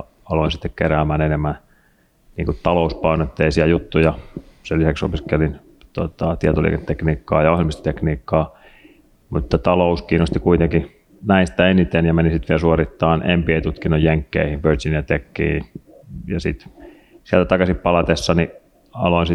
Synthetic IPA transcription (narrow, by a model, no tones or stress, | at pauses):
ɑloinsit̪ːekkeɾæːmænenemːæn | niːŋkutt̪ɑlouspɑinoet̪ːeisiæjut̪ːujɑselisækso̰piskelin | t̪ot̪ɑt̪iɛt̪olḭːket̪ːekniːkːɑːjɑohjelmist̪ɑ̥t̪ekniːkːɑː | mut̪ːɑt̪ɑlouskiːnost̪ikuit̪eŋki | næinst̪æenit̪enjɑmenisit̪ʋiælsuorit̪ːɑːnʔempieit̪ut̪kinːojjeŋkːḛihiʋʋørsinɑt̪ekːḭː | jɑsit̪ | siælt̪æt̪ɑkɑsippɑlɑt̪esːɑni | ɑ̰loinsi